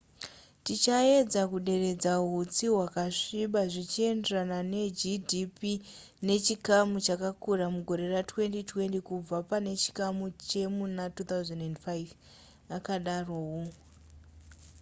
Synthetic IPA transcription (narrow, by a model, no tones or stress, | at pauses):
tit͡ʃae̞d͡zakuɗe̞re̞d͡zaɦut͡siwakaʂiɓaʐit͡ʃie̞nde̞ranane̞d͡ʒidipi | ne̞t͡ʃikamut͡ʃakakuramuɡʱo̞ɾe̞ratwe̞ntitwe̞ntikub͡vapane̞t͡ʃi̥kamut͡ʃe̞munatut̪awzendendfajv | akaɗarowo